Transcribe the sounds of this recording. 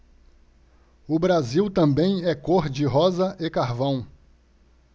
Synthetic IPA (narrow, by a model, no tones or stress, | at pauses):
ʊbɾaziwt̪ɐ̃bẽj̃ɛkoɾd͡ʒɪɦɔzɐʔekaɾvɐ̃w̃